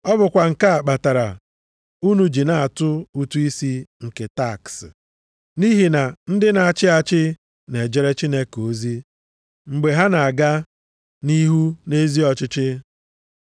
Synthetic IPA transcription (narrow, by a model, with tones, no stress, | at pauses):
ɔ˦bʊ˨kʷa˨ŋ̩˨ka˦a˨k͡pa˨ta˨ɾa̰˨ | u˦nu˨d͡ʒi˨na˨a˨tʊ˦u˨tu˦i˦si˦ŋ̩˨ke˨ta˦˨ks | ni˦ɦi˨na˨n̩˦dɪ˦na˨a˨t͡ʃɪ˦a˨t͡ʃɪ˦ | ne˨d͡ʒe˦ɾe˦t͡ʃi˦ne˦ko˨zi˦ | ŋ͡m̩˨ɡ͡be˨ɦa˦na˨a˨ɡa˦ | ni˦ɦu˦ne˦zi˦ɔ˨t͡ʃɪ˦t͡ʃɪ˦